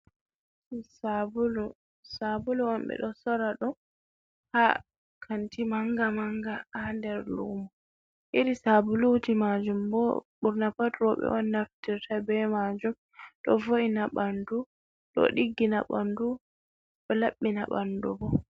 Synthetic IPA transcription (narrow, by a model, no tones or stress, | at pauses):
sablu | sabulɔɔmbɛ̰ɗɔsɔɾaɗɔ | ha | kʰantimaŋɡamaŋɡaandɛɾlṵmɔ | ʔiɾisabulud͡ʒimad͡ʒumbɔɓuɾnapatɾɔɓɛ̰ʔɔnːaftiɾtʰabɛmad͡ʒum | ɗɔvoʔinaɓandu | ɗɔ̰ɗiɡːinaɓandu | ɗɔlaɓːinaɓandubɔ